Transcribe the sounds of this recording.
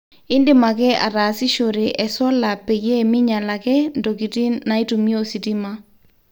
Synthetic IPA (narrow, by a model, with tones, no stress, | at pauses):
ɪ˦ndɪ˨ma˨kɛ˦a˨ɾaː˨si˦ʃo˨ɾe˨ʔɛ˨sɔ˦la˨pɛ˨jɛ˦˨mɪ˦ɲa˨la˨kɛ˦ndo˨ki˨ti˦na˨i˦tu˨mjo˦si˨ti˦ma˦